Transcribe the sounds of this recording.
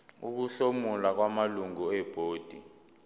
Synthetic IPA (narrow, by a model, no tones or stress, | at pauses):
ṵk̬uɬomulak̬wamaluŋuɛb̥ʱoːd̥ʱḭ